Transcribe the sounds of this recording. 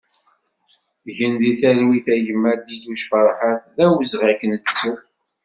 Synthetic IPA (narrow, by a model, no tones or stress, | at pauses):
ʝənðiθæɾwiθæjəmːæd̪iluʃfəɾˤħaθðæwəzʁakənθsu